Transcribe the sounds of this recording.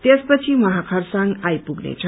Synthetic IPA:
t̪jespət͡sʰiməɦakʰaɾsãŋɡajpuɡnḛt͡sʰə

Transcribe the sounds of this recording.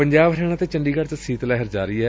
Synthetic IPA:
pəɲd͡ʒaːbɾɛːɽ̃aːt̪eːt͡ʃəɳɖiːkəɾt͡ʃsiːt̪lɛːɦəɾd͡ʒaːɾəiːɛː

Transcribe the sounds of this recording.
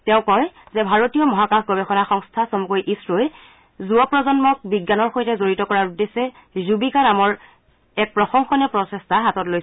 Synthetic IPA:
tɛʊ̃kɔjzɛbʱaɹotijɔmɔɦakaxʰɡɔbexɔnaxɔŋstʰasomukojʔisɹoj | zuɔpɹɔzɔnmɔk̚biɡːanɔɹxojtɛzoɹitɔkɔɹaɹudesɛ | zubikanamɔɹ | ɛk̚pɹɔxɔŋxɔnɛpɹɔsestaɦatɔtlojs

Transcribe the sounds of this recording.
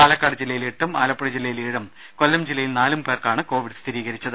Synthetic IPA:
aːlɐkːaːɽɐd͡ʑilːɐjileʈːumaːlɐpːɐɽid͡ʑilːɐjiliɻɐm | ko̞lːɐmd͡ʑilːɐjilnaːlumpeːrkaːɳɨko̞ːʋiɽst̪ʰiɾiːɣɐɾit͡ɕːɐðɨ

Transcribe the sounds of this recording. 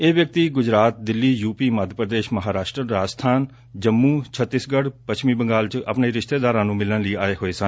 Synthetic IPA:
eːʋjək̚t̪iːɡʊd͡ʒɾaːt̪̚d̪ɪlːiːjuːpiːməd̪ʱpɾəd̪eːʃməɦaːɾaːʃʈɾəɾaːd͡ʒst̪ʰaːn | d͡ʒəmːũːt͡ʃʰət̪ːɪsɡəɽpət͡ʃʰʃʰmiːbəŋɡaːlt͡ʃə̰pneːɾɪʃt̪eːd̪aːɾãːnũːmɪləɳləiːaːeːɦoːeːsən

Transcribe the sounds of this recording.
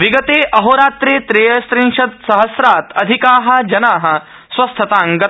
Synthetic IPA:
ʋiɡɐt̪eːʔɐɦoːɾaːt̪ɾeːt̪ɾeːjɐst̪ɾĩŋʂɐt̪̚sɐɦɐsɾaːt̪ɐd̪ʱikaːɦɐ̆d͡ʒɐnaːɦɐ̆ | swɐst̪ʰɐt̪aːŋɡɐ

